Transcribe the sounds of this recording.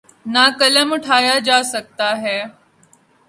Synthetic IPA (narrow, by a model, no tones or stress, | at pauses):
naːkələmʊʈʰaːjad͡ʒaːsək̚t̪aːɦɛː